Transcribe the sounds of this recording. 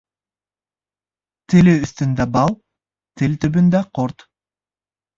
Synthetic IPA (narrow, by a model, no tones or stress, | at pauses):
t̪ʰeleyst̪ynd̪æbɑlˠ | t̪ʰelʲt̪ybynd̪æqʰoɾt̪